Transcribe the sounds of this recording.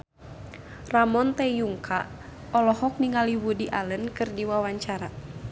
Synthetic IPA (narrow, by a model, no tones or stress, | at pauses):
ramɔnt̪ɛjuŋkʰa | ɔlɔhɔk̚niŋaliwudiʔalənkɨrdiwawaɲt͡ʃaɾa